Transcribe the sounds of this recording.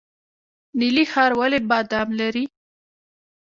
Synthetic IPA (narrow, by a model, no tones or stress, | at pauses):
nilixɑɾwalebɑd̪ɑmlaɾi